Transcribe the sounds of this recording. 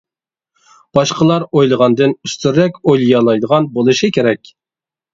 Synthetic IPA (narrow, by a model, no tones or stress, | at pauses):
b̥ɑʃqəlˠɑɾojlˠəʁɑnd̪ɨnyst̪yɾːɛkʲojlˠjɑlˠɑjd̪əʁɑnbolˠɨʃɪkʲeɾɛkʲ